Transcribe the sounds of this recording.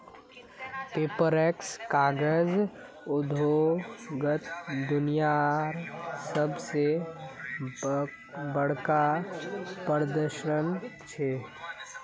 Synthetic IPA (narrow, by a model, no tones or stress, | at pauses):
peːpəɾɛkskaːɡəz | ʊd̪ʱoɡət̪d̪ʊnijaɾsəbse | bəɽ̤ka | pəɾd̪əɾʃənt͡ʃʰeː